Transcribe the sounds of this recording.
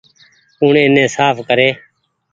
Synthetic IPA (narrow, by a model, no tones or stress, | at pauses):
uːɳẽːnẽːsaːpkəɾeː